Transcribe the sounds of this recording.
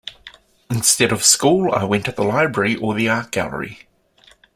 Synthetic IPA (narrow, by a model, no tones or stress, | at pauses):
ɪ̃nstɛɾəv̥skuːlˠa̰ɪwɛ̃ntəðəlaɪbɹɛɹiʔəðiɑˑk̚ɡ̥æ̰lˠə̰ɹḭ